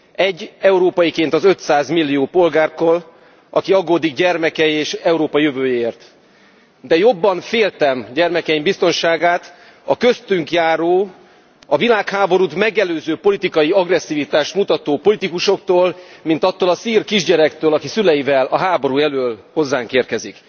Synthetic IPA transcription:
ɛɟːɛuɾoːpɒjikeːnt̪ɒzø̞t̪saːzmilːijoːpo̞lɡaːrt̪oːl | ɒ̰kiɒɡoːd̪iɡɟɛrmɛkɛjeːʃɛuɾoːpɒjøvøːjeeːrt̪ | d̪ɛjo̞bːɒɱfeːlt̪ɛmɟɛrmɛkɛimbist̪o̞nʃaːɡaːt̪ | ɒkøst̪yŋkjaːɾoː | ɒvilaːkhaːbo̞ɾut̪mɛɡɛløːzøːpo̞lit̪ikɒjiɒɡrɛsːiːvit̪aːʃt̪mut̪ɒt̪oːpo̞lit̪ikuʃo̞k̚t̪oːlmint̪ɒt̪ːoːlɒsiːrkiʒɟɛɾɛkt̪øːlɒkisylɛjivɛlɒɦaːbo̞ɾujɛløːlho̞zːaːŋkeːrkɛzik

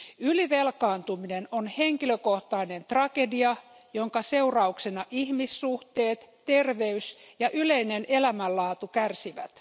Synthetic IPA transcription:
yliʋelkɑːnt̪uminenonhe̞ŋkiløkoht̪ɑine̞nt̪rɑkediɑ | joŋkɑse̞urɑuksenɑʔihmisːuht̪eːt̪ːerʋe̞ysjɑʔyleinenʔe̞læmælːɑːt̪ukærsiʋæt̪

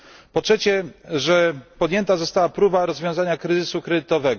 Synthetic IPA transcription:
pɔtʂɛt͡ɕɛʐɛpɔd̪jɛnt̪azɔst̪awapɾubaɾɔzvʲjɔ̃w̃zaɲakɾɛzɘsukɾɛd̪ɘt̪ɔvɛɡ

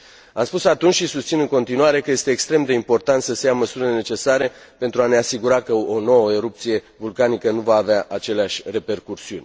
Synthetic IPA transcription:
amspusat̪unt͡ʃʲʃisust̪sinɨŋko̞nt̪inuaɾe̞kəje̞st̪e̞ːkst̪ɾe̞md̪e̞impo̞rt̪ant̪səsejaməsuɾilene̞t͡ʃe̞saɾe̞ | pe̞nt̪ɾuane̞asiɡuɾakəono̞wəeɾup̚t̪sije̞ | vulkanikənuvaːveaʔat͡ʃe̞leaʃʲre̞pe̞rkursiunʲ

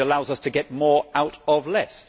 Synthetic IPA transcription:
əlaʊzʌstʰɨɡɛt̚mɔːɹaʊɾəvlɛs

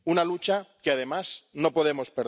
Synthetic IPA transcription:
unalut͡ʃakeað̞e̞masno̞po̞ð̞emo̞speɾ

